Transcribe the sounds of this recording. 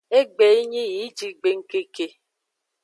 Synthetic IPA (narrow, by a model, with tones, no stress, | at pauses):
e˦ɡ͡be˨i˦ɲi˦i˨˦d͡ʒi˨ɡ͡be˨ŋ̩˦ke˦ke˨